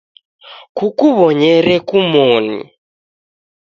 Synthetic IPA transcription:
kukuβɔɲɛɾɛkumɔnḭ

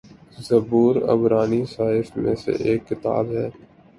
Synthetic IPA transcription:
zəbuːɾɐ̰bɾaːnisaːɦɪfmẽsḛʔeːkːɪt̪a̰ːbɦɛː

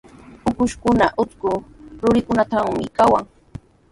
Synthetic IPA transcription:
ʊkʊʃkʊnaʔʊt͡s̪kʊɾʊɾɪkʊnat̪aŋmɪ̰kawaŋ

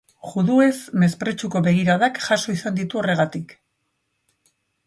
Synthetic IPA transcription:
ʝuðue̞zme̞spɾe̞t͡ʃuko̞βe̞ɣiɾaðakʝaso̞isand̪it̪uo̞re̞ɣ̞at̪ik

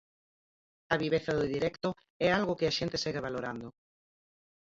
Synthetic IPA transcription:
ɐβiβeθɐðʊðiɾɛkt̪ʊ | ɛalɣʊkɪaʃent̪ɪsɛɣeβaloɾand̪ʊ

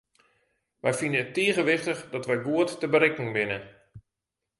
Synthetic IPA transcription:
ʋɛjfinəətːiəɣəʋɪχtəχdɔtʋɛjɡuətːəbəɾɪkɪŋʋɪnə

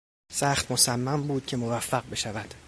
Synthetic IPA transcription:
sæχt̪mo̞sæmːæmbuːd̪̥̚cʰe̞mo̞væfːæɢ̚be̞ʃævæd̪̥

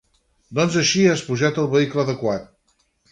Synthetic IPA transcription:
d̪ɔnzəʃiaspuʒat̪əlˠβəikləːðəkwat̪̚

